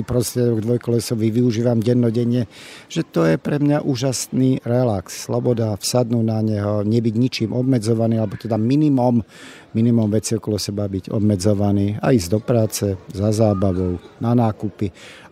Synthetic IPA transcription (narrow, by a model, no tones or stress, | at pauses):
pɾɔst̪ɾɪɛd̪ɔɡd̪ʋɔjkɔlɛsɔʋiʋiuʒiːʋamɟɛnːɔɟɛɲɪɛʒ̥ɛt̪ɔjɛpɾɛmɲaʔuːʒasniːɾɛlaksːlɔbɔd̪afsad̪nuːnaɲɛɦɔɲɛbiɟɲit͡ʃiːmʔɔbmɛd͡zɔʋaniːalɛbɔt̪ɛd̪aminimɔmː | inimɔmʋɛt͡siɔkɔlɔsɛbabiɟɔ̰bmɛd͡zɔʋaniːa̰iːzd̪ɔpɾaːt͡sɛzazaːbaʋɔʊnanaːkupi